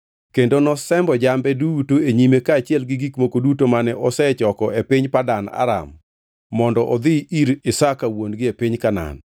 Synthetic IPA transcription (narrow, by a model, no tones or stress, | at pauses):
kendonɔsɛmbɔd͡ʒambɛdutoeɲimekaːt͡ʃɪɛlɡɪɡikmokodutomanɛʔɔsɛt͡ʃɔkɔepiɲpadana̰ɾa̰mː | ɔndɔʔɔd̪ɪiɾɪsakawonɡɪepiɲkana̰n